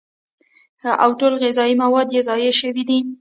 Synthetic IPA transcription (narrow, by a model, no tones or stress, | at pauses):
ʔawʈolɣɪzɑimawɑd̪jezɑjeʃəwid̪i